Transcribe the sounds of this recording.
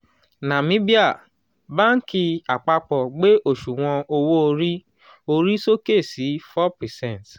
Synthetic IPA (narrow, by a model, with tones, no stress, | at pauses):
nã˨mĩ˨˦bi˦a˦˨ | ba˦n̩˦ki˧a˨k͡pa˧k͡pɔ˨ɡ͡be˦ʔo˦˨ʃu˨w̃ɔ̃˧o˧wo˦o˧ɾi˦ | o˧ɾi˦so˦ke˦˨si˨˦fɔ˦pɛ˨sɛ̃˦˨t